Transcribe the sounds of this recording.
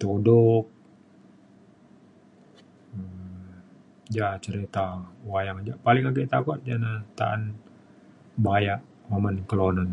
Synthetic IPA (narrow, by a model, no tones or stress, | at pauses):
t̪odɔk̚ | ə | d͡ʒat͡ʃəɾit̪awajaŋd͡ʒapalɪŋakit̪akot̪̚d͡ʒanat̪a̰a̰n | bajaʔ | mamankəlonan